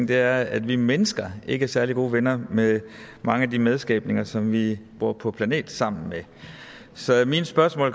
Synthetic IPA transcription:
d̥e̝æɐæd̥ʋimenəsɡ̥ɐʔe̝ɡ̥əæɐsæɐliɡ̥o̝ːʋenɐme | mɑ̈ŋəædimeð̞ˠsɡ̥ɛ̰ːb̥̚ne̝ŋɐsɒ̽mʋib̥oɐ̰pʰɒ̽pʰlæne̝̰ːd̥sɑ̈m̰n̩me | sɒ̽minsb̥ɶɐsmɔ̰̽ːl

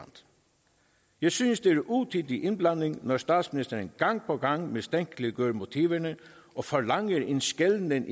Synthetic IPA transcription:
nd̪̥ | jæɪsynsd̪eæɹʔuːt̪ʰiːd̪iʔɪnblɑnɪŋnɔɹst̪ɑːd̪smɪnɪst̪əɾənɡ̥ɑŋpʰɔɡɑŋmest̪ɛŋklɪɡøːɾmʊt̪ʰiːʋənə | ʔɔfɔlɑŋːəɾɪnsɡ̥ɛlnənʔ

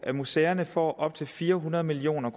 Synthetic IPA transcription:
ʔæmuseɐnəfɒ̰ːʔɒ̽b̥̚t͡sʰe̝lfiːɐɦunɐð̞ˠmilio̝̰ːnɐkʰ

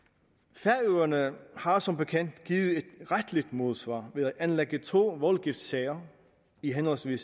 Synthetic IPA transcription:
fæɐøːɐnəhɑ̈sɒ̽mb̥e̝kʰen̰d̥ɡ̥iːð̩ˠe̝d̥ʁad̥lid̥mo̝ð̞ˠsʋɑ̰̈ːʋe̝ðˠæʔænleɡ̥ət͡sʰo̝̰ːʋɒlɡ̥ifd̥sɛɪɐ | iɦenhɒ̽lsʋḭːs

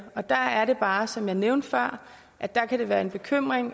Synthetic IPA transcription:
ɒ̽d̥ɑæɐɾ̥e̝b̥ɑ̈ːsɒ̽mjɑ̈ɪneʊnd̥fɶɐ̰ | ʔæd̥ɑ̈kʰæɾ̥e̝ʋæːɐenb̥e̝kʰøm̰ʁeŋ

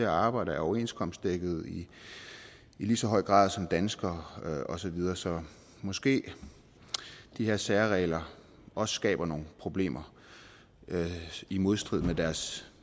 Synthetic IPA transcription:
eɐɑ̈ːb̥ɑ̈ɪ̰ɾɐɒʊɐe̝̰nskʰɒ̽msd̥̚d̥eɡ̥ð̞̩ˠi | iliːsɒ̽ɦɒ̽ɪ̰ɡ̥ʁɑ̰̈ːðˠsɒ̽md̥ænsɡ̥ɐɒ̽sɒ̽ʋið̞ˠɐːsɒ̽ | mɒ̽sɡ̥e̝̰ː | d̥iheɐ̰sæɐʁɛ̰ːɪlɐ | ɒ̽sə̥sɡ̥ɛ̰ːb̥ɐno̝ːn̩pʰʁo̝b̥le̝̰ːmɐ | imo̝ð̞ˠsd̥ʁið̰ˠmed̥æɐs

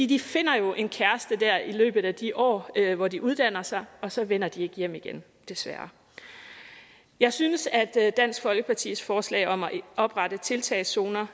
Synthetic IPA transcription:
fḭːd̥ife̝n̰ɐjo̝ʔe̝nkʰæɐsd̥əd̥æɐilø̰ːb̥ð̩ˠæd̥iʔɒ̰ːʋɒd̥iʔuð̞ˠd̥æn̰ɐsɑ̈ɪɒ̽sɒ̽ʋen̰ɐd̥ie̝ɡ̥əjem̰iɡ̥en | d̥e̝sʋæɐ | jɑ̈ɪsynəsæd̥ːæn̰sɡ̥fɒ̽lɡ̥əpʰɑ̈t͡sʰḭːsfɒːslɛ̰ɪɒ̽mæʔɒ̽b̥ʁɑ̈d̥ət͡sʰe̝lt͡sʰɛɪso̝ːnɐ

